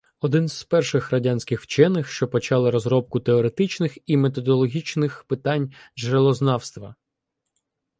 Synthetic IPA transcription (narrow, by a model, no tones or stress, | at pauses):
ɔd̪ɪnz̥pɛrʃɪxrɐdʲanʲsʲkɪxwt͡ʃɛnːɪxʃt͡ʃɔpɔt͡ʃɑlˠɪɾɔzɾɔp̚kʊt̪eɔɾet̪ɪt͡ʃnɪximet̪̬ɔd̪ɔlˠɔɦʲit͡ʃnɪxpɪt̪ɑnʲʒelˠɔznɑwst̪ʋɐ